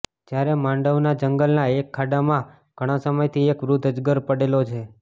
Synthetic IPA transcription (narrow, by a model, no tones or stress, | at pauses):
d͡ʒjaɾemãɳɖəʋnad͡ʒəŋɡəlnaekʰːaɖamã | ɡ̥ʱəɽ̃asəməjt̪ʰiekʋɾud̪ʱəd͡ʒɡəɾpəɽelot͡ʃʰe